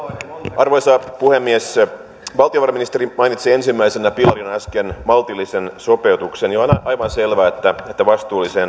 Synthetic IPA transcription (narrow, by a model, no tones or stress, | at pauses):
ʔɑrʋojsɑːpuhemːies | ʋɑlt̪ioʋɑrɑminist̪eɾimɑjnit̪siensimːæisenæpilɑrinɑskenmɑlt̪ilːisensope̞ut̪uksenjonɑjʋɑnselʋæːet̪ːæet̪ːæʋɑst̪uːlːisen